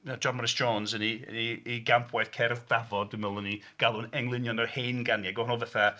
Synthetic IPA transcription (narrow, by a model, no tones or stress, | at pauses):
nad͡ʒɔnmɔɾɪsd͡ʒɔːnzəniniiɡampʰwajθkʰɛrðdavɔdɪməlˠəniɡ̥alˠʊnɛŋlˠɪnjɔnərheːnɡanjaɡɔnɔlˠvəθa